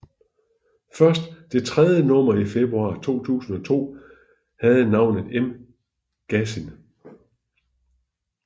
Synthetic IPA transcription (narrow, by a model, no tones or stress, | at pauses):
fɶɐsd̥ːe̝t͡sʰʁɛð̞ˠjənɔ̽m̰ɐife̝b̥ʁuɑ̰̈ːt͡sʰo̝̰ːt͡sʰṵːsn̩ɒ̽t͡sʰo̝̰ː | hæð̞̩ˠnɑ̈ʊ̰nð̩ˠem | ɡ̥æsin